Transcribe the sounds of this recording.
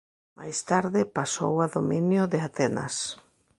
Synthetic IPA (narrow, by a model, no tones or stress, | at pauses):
ma̰jst̪aɾðɪpaso̰waðominjʊðɪat̪ɛna̰s